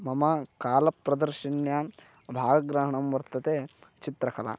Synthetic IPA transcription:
mɐmɐkaːlɐpɾɐd̪ɐɾʃinjɐ | bʱaːɡɐɡɾɐɦɐɳɐmʋɐɾt̪ɐt̪eːt͡ʃit̪ɾɐkɐla̰ː

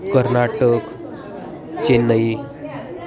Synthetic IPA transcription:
kəɾnaʈək | t͡ɕenəi

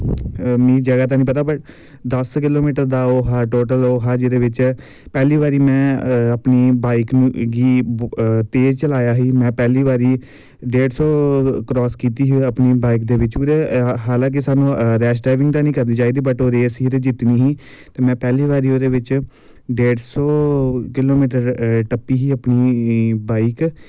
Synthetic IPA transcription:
mĩːd͡ʒəɡaːt̪̬aːnĩːpət̪aːbəʈ | d̪əskɪloːmiːʈəɾd̪aːoːɦaːʈoːʈəloːɦaːd͡ʒɪd̪eːʋɪt͡ʃ | pɛːliːʋaːɾiːmɛ̃ːəpniːbaːɪkñɡiː | t̪eːd͡ʒt͡ʃəlaːjaːɦiːmɛ̃ːpɛːliːʋaːɾiː | ɖeːɖsɔːkɾɔːskiːt̪iːɦiəpniːbaːikd̪eːʋɪt͡ʃːeɦaːlãːk̬isaːnũːɾɛːs̬ʈaːʋɪ̃ŋɡd̪aːnĩːkəɾd̪iːd͡ʒaːid̪iːbəʈoːɾeːsɦiːɾd͡ʒɪt̪niːɦiː | t̪eːmɛ̃ːpɛːliːʋaːɾiːoːd̪eːʋɪt͡ʃ | ɖeːɖsɔːkɪloːmiːʈəɾʈəpːiːɦiːəpniːbaːɪk

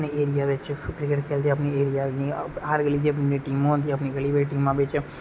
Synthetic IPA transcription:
nieːɾijaʋet͡ʃekɾɪkeʈkʰeːlt̪ʰiɐpnieːɾijaniaɾɡɐlit̪ʰiɐpniʈiːmõnt̪iɐpniɡɐlibəɾiʈiːmãbeːt͡ʃe

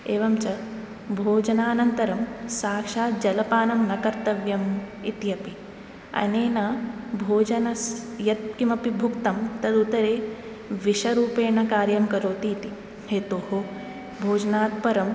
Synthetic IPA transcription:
eːʋɐmt͡ʃɐ | bʱoːd͡ʒɐnaːɐnɐnt̪ɐɾɐmsaːkʂaːd͡ʒɐlɐpaːnɐmnɐkɐɾt̪ɐʋjɐmit̪ijɐpi | ɐ̰neːnɐbʱoːd͡ʒɐnɐsjɐt̪̚kimɐpibʱukt̪ɐmt̪ɐd̪ut̪ɐɾeː | ʋiʃɐɾuːpeːɳɐkaːɾjɐmkɐɾoːt̪iːt̪i | heːt̪oːɦo | bʱoːd͡ʒɐnaːt̪̚pɐɾɐm

